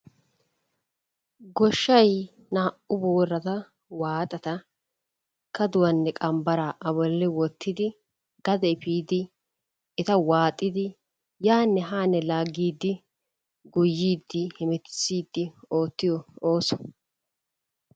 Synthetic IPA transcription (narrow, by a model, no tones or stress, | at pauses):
ɡɔʃːɐj | naːʔʊboːrːɐt̪ɐ | waːt̪ʼɐt̪ɐ | kɐd̪ʊwɐnːɛkʼɐmbɐɾaʔɐbɔlːɪwɔt̪ʰːɪd̪ɪ | ɡ̥ɐd̪ɛɪpiːd̪ɪ | ɪt̪ɐwaːt̪ʼːɪd̪ɪ | jaːnːɛɦaːnɛlaːɡiːd̪ːɪ | ɡʊjːiːd̪ːɪhɪmɛt̪ɪ̥siːd̪ːɪo̞ːt̪ːɪjɔo̞ːsɔ̥